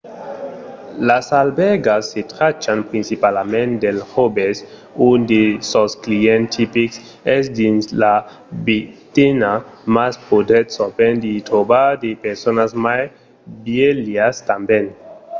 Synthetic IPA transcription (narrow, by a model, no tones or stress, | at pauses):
lasalbeɡasːet̪ɾat͡ʃanpɾinsipalamẽnd̪elhobes | und̪esosklient̪ʰipiks | ɛsd̪insla | bit̪inamaspod̪etsopend̪it̪ɾobaɾd̪epeɾsonasmaj | bjeliast̪amben